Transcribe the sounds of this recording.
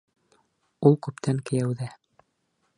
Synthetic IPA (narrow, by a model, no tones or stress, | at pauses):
ulˠkʉpt̪ʰæŋkɘ̆jæwðæ